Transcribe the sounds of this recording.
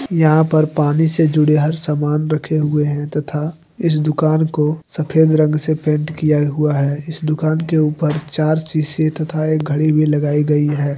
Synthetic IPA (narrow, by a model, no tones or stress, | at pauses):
jɐɦãpəɾpaːnised͡ʒʊɽeɦɐɾsaːmaːnɾɐkʰeɦʊeɦɛ̃t̪ɐt̪ʰa | ɪs̬d̪ʊkaːnkosɐpʰeːd̪ɾə̃ŋɡsepẽːɳʈkijaɦʊaɦɛːɪsd̪ʊkaːnkeuːpəɾt͡ʃaːɾsiːset̪ɐt̪ʰaeːk̚ɡʱɐɽibʱilɐɡaːiɡɐiɦɛː